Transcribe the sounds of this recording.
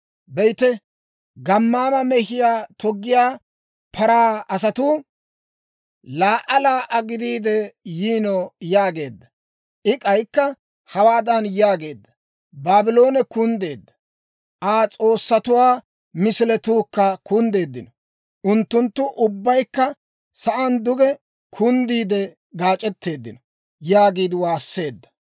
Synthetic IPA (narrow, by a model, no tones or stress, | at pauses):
bɛjt̪ɛ | ɡɐmːaːmɐmɛhɪjaːt̪ɔɡːɪjaː | pʰɐɾaːɐsɐt̪uː | laːʔɐlaːʔɐɡɪd̪iːd̪ɛjiːnɔjaːɡe̞ːd̪ːɐ | ʔɪkʼɐjkːɐ | hɐwaːd̪ɐnjaːɡe̞ːd̪ːɐ | baːbɪlo̞ːnɛkʊnd̪e̞ːd̪ːɐ | ʔaːt͡sʼo̞ːsːɐt̪ʊwaː | mɪsɪlɛt̪uːkːɐkʊnd̪e̞ːd̪ːɪnɔ | ʔʊnt̪ːʊnt̪ːʊʔʊbːɐjkːɐ | sɐʔɐnd̪ʊɡɛ | kʰʊnd̪iːd̪ɛ | ɡaːt͡ʃʼɛt̪ːe̞ːd̪ːɪnɔ | jaːɡiːd̪ɪwaːsːe̞ːd̪ːɐ̥